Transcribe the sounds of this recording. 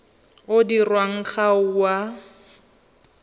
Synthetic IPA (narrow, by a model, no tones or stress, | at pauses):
ʊdirwaŋ̩χaʊwa